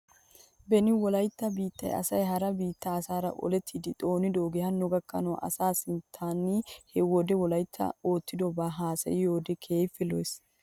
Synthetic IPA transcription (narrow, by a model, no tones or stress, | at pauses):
bɛnɪwɔlɐjt̪ːɐbiːt̪ːɐ̰jɐ̰sɐjɦɐɾɐbiːt̪ːɐːsaːɾɐ̰ʔɔ̰lɛt̪ʰːid̪ɪt̪ʼo̞ːnɪd̪oɡɛhɐnːɔɡɐkːɐnɔʔɐ̰saːsɪnt̪ʰːaːnːɪhɛwɔd̪ɛwɔlɐjt̪ʰːɐ̰o̞ːt̪ːɪd̪ɔbaɦaːsɐ̰jɪjo̞ːd̪ɛkʰe̞ːfːɪlojs